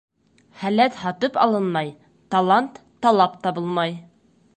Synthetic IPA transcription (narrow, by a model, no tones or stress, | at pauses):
χælæt̪hɒt̪ɤpɒlˠɤnmɑj | t̪ɑlˠant̪ːɑlˠɑpt̪ɑbɤlˠmɑj